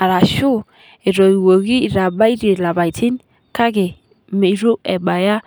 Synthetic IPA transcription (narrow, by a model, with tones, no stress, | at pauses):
a˨ɾa˨ʃu˦ | e˨ɾɔ˨i˨wo˨ɡi˦˨ɾa˨ba˦i˦ɾe˨la˨ba˨i˨ti˦n | ka˦ɡe˨ | me˨i˦ɾo˦ɛ˨ba˨ja˦